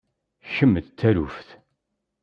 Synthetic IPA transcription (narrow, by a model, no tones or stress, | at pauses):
çəmːəðt̪ːæɾufθ